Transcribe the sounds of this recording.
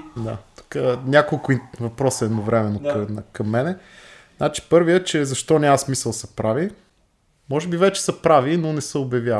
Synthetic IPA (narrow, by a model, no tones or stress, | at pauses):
d̪a̰t̪ɐ̥kanʲakolˠkʊivɐpɾɔsəɛd̪novɾɛmɛnːoknkɐmːɛnɛ | znat͡ʃi̥pɤɾvijət͡ʃɛzɐʃt̪ɔnʲamɐsmisəlˠsɐ̥pɾavi | mɔʒɛbivɛt͡ʃɛ̥səpɾavinonɛsəobjɐvʲja